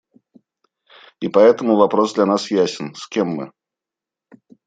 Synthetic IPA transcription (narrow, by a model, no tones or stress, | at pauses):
ipɐɛt̪əmʊvɐpɾosd̪lʲɐnasjæsʲɪnskʲemːɨ̰